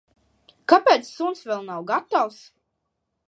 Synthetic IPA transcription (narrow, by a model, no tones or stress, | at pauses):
kapʲɛːt̪sːunsvɛlˠnawɡat̪ːaws